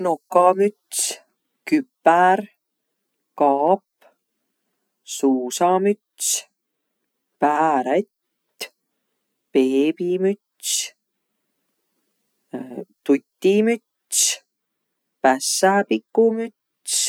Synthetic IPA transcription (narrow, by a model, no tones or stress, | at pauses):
nokːɑmyt̪s | kypːæɾ | kɑːpː | suːsɑmyt̪s | pæːɾet̪ | peːpimyt̪s | t̪ut̪ʲːimyt̪ | s | pæsæpikːumyt̪ | s